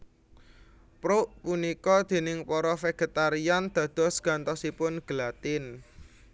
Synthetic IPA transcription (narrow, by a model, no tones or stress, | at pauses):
pɾoʔpunikɔd̪̥e̤nɪŋpɔɾɔfeɡ̥e̤t̪aɾiand̪̥ä̤d̪̥ɔ̤sɡ̥a̤nt̪ɔsipʊnɡ̥əlat̪ɪn